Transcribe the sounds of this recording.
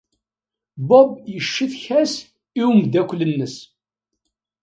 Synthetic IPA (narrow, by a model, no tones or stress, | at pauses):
bɔbjəʃːiθçæs | iwmd̪ækʷːlənːəs